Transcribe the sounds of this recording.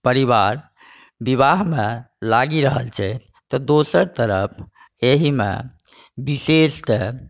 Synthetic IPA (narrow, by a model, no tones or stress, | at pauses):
pəɾiβaɾ | biβaɦme | laɡiɾəɦəlt͡ʃʰɛ | t̪ɔd̪osəɾt̪əɾəpʰ | eɦimḛ | bisesʈe